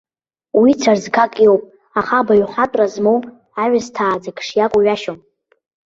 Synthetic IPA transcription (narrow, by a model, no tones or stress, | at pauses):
wit͡sʰarzkʰakʼjowpʼ | aχabaɥħʷatʷʼrazmow | aʕaztʰaːd͡zakʰʂjakʷʼuɥaʃom